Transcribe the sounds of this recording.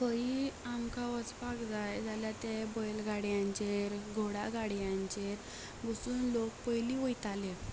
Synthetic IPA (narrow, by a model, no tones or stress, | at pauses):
kəiamkaʋət͡spakd͡zajd͡zʱaljat̪ebɔjlɡʱaɽjãɲt͡ɕeɾɡʱoɽaɡʱaɽjãɲt͡ɕeɾ | bəsuːnlokpəjliʋəjt̪ale